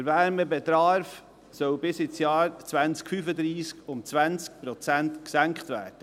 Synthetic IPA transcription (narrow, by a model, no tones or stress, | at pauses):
əɾvæɾməbɛtɾɑːɾf | sœwbɪsɪt͡sjɑːɾt͡svænt͡skfyfəd̪ɾiːskʊmt͡sʋænt͡sk̚pɾɔt͡sæntksæŋkχtvæ̰ːɾd̥ə